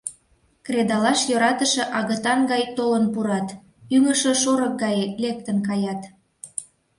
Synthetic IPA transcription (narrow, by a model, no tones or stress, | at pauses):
kred̪ɑlɑʃjoɾɑt̪əʃĕʔɑɣət̪ɑnɡɑjt̪olənpuɾɑt̪ | yŋəʃə̆ʃoɾək̚ɡɑjlek̚t̪ənkɑjɑt̪